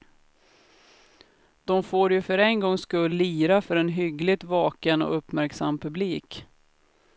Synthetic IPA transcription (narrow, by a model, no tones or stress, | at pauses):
d̪̥ɔmfoːɾjɵfœɾɛŋɡɔŋːskɵlːiːɾafœɾɛnɦʏɡlɪt̪vɑːkənɔ̰ɵpːmæɾksamːpʰɵbliːk